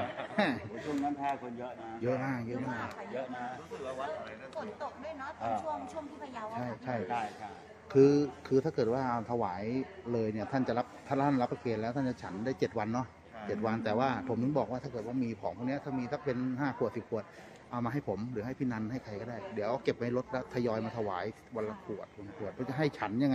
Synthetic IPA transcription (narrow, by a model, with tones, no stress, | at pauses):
ɛ˥˩˧t͡ɕʰu˥˩˨ŋna˦˥nt̪ʰɛː˥˩kʰo˧njɤ˦˥ʔna˦˥jɤ˦˥ʔmaː˥˩k̚jɤ˦˥ʔmaː˥˩kjna˦˥˦a˦˥˨ko˨˩t̪t̪o˨˩k̚du˥˩əjnɔ˦˥˧t͡ɕʰu˥˩əŋt͡ɕʰu˥˩əŋt̪ʰiː˥˩pʰa˧ja˧t͡ɕʰa˥˩jt͡ɕʰa˥˩jʰ | kʰɯː˧kʰɯː˧t̪ʰa˥˩kɤː˨˩t̪̚waː˥˩ʔa˧˩t̪ʰa˧waː˩˦jlɤː˧jni˥˩ɐt̪ʰa˥˩nt͡ɕa˨˩la˦˥p̚t̪ʰa˥˩˦t̪ʰa˥˩la˦˥pːa˧keː˨˧˩lɛː˦˥wt̪ʰa˥˩nt͡ɕa˨˩t͡ɕʰa˦˥ndaː˥˩jt͡ɕe˨˩t̪̚wa˧nːɔ˦˥˩ | t͡ɕe˨˩t̪̚wa˧nt̪ɛː˨˩waː˥˩pʰo˩˦mnɯ˧˥˩ŋbɔː˨˩k̚waː˥t̪ʰaː˥˩kɤː˨˩t̪wa˥˩miː˧pʰɔː˩˦ŋpʰɔː˥˩ni˦˥ɐ˧t̪ʰa˥˩miː˧t̪ʰa˧˥k̚pe˧nhaː˥˩kʰu˨˩əsi˨˩p̚kʰu˨˩ət̪̚ | ʔa˧˩wmaː˧ɦa˥˩jpʰo˩˦mɾɯː˩˦ha˥˩jpʰiː˥˩na˧nha˥˩jkʰa˧jkɔː˥˩daː˥˩jdi˩˦əʔke˨˩p̚ma˨˧˩jlo˦˥t̪̚lɛ˦˥t̪ʰːa˧jɔː˧jmaː˧t̪ʰa˧waː˩˦ji˩wa˧nla˦˥kʰu˨˩ət̪̚wa˧na˧˥˩kʰu˨˩ət̪̚pʰɔ˦˥˩t͡ɕa˨˩ɦa˥˩jt͡ɕʰa˦˥nja˧ŋː˧